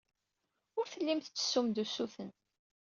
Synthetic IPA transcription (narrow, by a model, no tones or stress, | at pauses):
ʊɾθəlːimθt͡sːə̥sːumd̪usuθən